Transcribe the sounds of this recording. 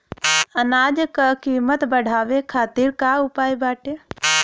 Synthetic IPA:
ənaːd͡ʒkəkiːmət̪bəɽ̤ʱaːʋekʰaːt̪iːɾkaʊpaːjbaːʈe

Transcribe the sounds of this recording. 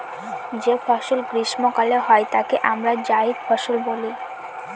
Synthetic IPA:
d͡ʑefɔʃolɡɾiʃmokaleɦɔet̪akeʔamɾad͡ʑaid̪fɔʃolboli

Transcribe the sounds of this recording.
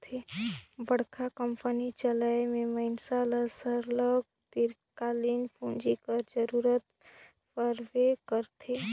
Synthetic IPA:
t̪ʰebəɽ̤kʰakəmpənit͡ʃələmẽməɪnsaləsəɾləɡ̚ | t̪iɾ | kalinpʰõːnd͡ʒikəɾd͡ʒəɾuːɾət̪ | pəɾʋekəɾt̪ʰe

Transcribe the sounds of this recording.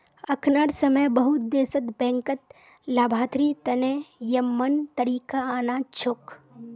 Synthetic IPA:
ɐkʰnəɽsəməjbəɦʊt̪̚d̪eːsət̪bɛ̃ːŋkət̪̚ | laːbʱaːt̪ɾit̪ɐneːjəmːənt̪əɾiːkaːnat͡ʃʰʊk

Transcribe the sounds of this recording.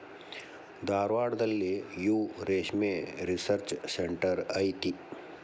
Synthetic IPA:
d̪aːɾʋaːɽd̪ɐlːejuːɾeːʃmẽɾisəɾt͡ʃseɳʈəɾaiʈi

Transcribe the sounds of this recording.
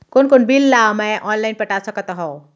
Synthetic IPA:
konkonbilːaməʔɔnlajnpəʈasəkət̪ɦɔ̃

